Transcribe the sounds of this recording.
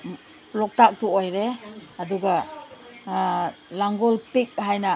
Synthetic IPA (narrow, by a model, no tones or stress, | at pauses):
lɔk̚tak̚tuojɾeɐduɡa | laŋɡɔlpik̚hajnɐ